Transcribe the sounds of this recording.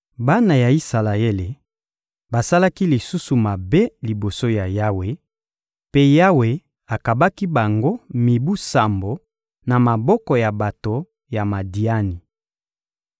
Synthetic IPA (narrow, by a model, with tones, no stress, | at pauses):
ba˦na˨ja˨i˦sa˨la˨e˦le˨ | ba˨sa˦la˦ki˦li˨su˦su˨ma˨be˦li˨bo˨so˦ja˨ja˦we˨ | pe˦ja˦we˨ | a˨ka˨ba˦ki˦ba˨ŋɡo˦mi˨bu˦sa˨mbo˨ | na˨ma˨bɔ˦kɔ˨ja˨ba˨to˨ | ja˨ma˨di˨a˦ni˨